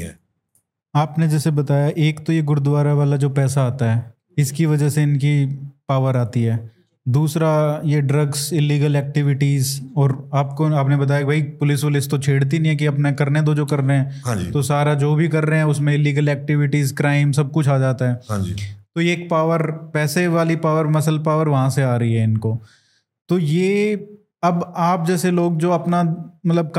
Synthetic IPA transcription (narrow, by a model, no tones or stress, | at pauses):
ɛ̰ | aːpned͡ʒɛːsebɐt̪aːjaʔeːkt̪ojeɡʊɾd̪ʊʋaːɾaʋaːlad͡ʒoːpɛːsaaːt̪aɦɛː | ɪskiʋɐd͡ʒəseɪnkipaːʋəɾaːt̪iɦɛː | d̪uːsɾajeɖɾɐɡsɪlːiːɡəlɛːk̚ʈɪʋɪʈiːzɔːɾaːpkoaːpnebɐt̪̬aːjakibʱɐipʊlɪsʋɪlɪst̪ot͡ʃʰeːɽt̪̬inĩɦɛ̃k̬iɐpnekɐɾned̪od͡ʒoːkɐɾːeɦɛ̃ːɦãd͡ʒit̪osaːɾad͡ʒoːbʱikɐɾːeɦɛ̃ʊsmẽɪlːiːɡəlɛːk̚ʈɪʋɪʈiːzkɾaːɪmsɐb̚kʊt͡ʃʰaːd͡ʒaːt̪aɦɛːɦãd͡ʒit̪oeːk̚paːʋəɾpɛːseʋaːlipaːʋəɾmɐsəlpaːʋəɾʋɐɦãseaːɾɐɦiɦɛɪnkoː | t̪ojeː | ɐbaːp̚d͡ʒɛːseloːɡ̚d͡ʒoːɐpnamɐt̪ləb̚k